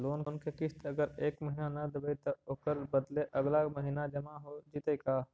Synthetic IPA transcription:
loːnkːnkekɪst̪ɐɡəɾeːkməɦinanɐd̪ɪbəit̪ɐoːkəɾbəd̪leʔɐɡlaməɦinad͡ʒɐmaɦod͡ʒiːt̪ekaː

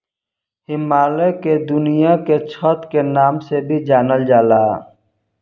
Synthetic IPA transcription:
hɪmaːleked̪ʊnijaket͡ʃʰɔːt̪kenaːmsebʱid͡ʒaːnəld͡ʒaːlaː

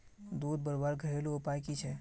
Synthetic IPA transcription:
d̪uːd̪̚bəɾbaɾɡʱəɦeluːpajkit͡ʃʰɛ

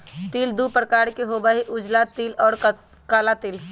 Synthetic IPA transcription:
t̪iːld̪upɾəkaːɾkeɦobəɦiʔʊd͡ʒlat̪ilɔːɾ | kaːlat̪iːl

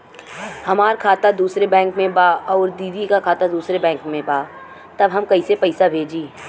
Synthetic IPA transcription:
hɐmaːɾkʰaːt̪ad̪uːsɾebɛ̃ːŋkmẽbaːɔːɾd̪iːd̪ikakʰaːt̪ad̪uːsɾebɛ̃ːŋkmẽbaː | t̪ɐbɦɐmkɐisepɐɪsabʱeːd͡ʒiː

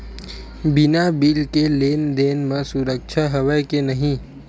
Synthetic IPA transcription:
bɪnabiːlkeleːnd̪eːnməsʊɾəkʃʰaɦəʋəjkenɐɦĩ

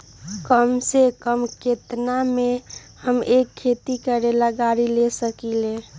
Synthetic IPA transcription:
kəmsekəmket̪name | həmekʰːet̪ikəɾelaɡaɾilesəkile

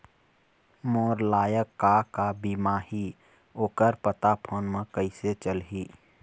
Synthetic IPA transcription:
moːɾlaːjəkːakabimaːɦi | oːkəɾpət̪apʰoːnmə̃kəɪset͡ʃəlɦiː

